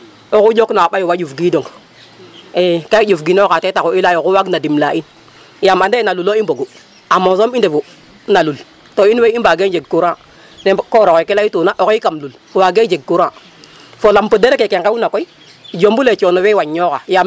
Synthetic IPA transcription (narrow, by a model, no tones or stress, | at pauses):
okud͡ʒoknaɓajuwad͡ʒufɡidoŋ | ekaid͡ʒufɡinokatetakoilajokuwaɡnadimlaʔin | jamandenaluloiboɡu | amosomindevu | nalul | toinweibaɡed͡ʒeɡ̚kuɾã | nekoɾokoikelaitunaʔokikamlulfwaɡed͡ʒeɡ̚kuɾa | folampudeɾekekeŋkaunakoi | d͡ʒombulet͡ʃonowewaɲːokajam